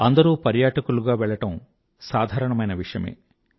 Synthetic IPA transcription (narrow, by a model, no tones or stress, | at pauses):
ɐnd̪ɐɾuːpɐɾjaːʈɐkuluɡaːʋɛɭːɐʈɐm | saːd̪ʱaːɾɐɳɐmɐjnɐʋiʂɐjɐ̰mḛː